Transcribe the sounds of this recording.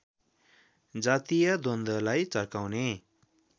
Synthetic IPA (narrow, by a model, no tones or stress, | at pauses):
d͡zat̪ijʌd̪ond̪ʌlajt͡sʌrkawne